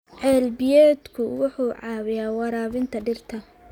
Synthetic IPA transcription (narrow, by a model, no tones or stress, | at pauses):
ʕɛːlbɪjɛːd̪kʰʊwʊħuːʕɑːβɪjaːwɑɾaːβɪnt̪ʰɐɖɪrt̪ʰɐ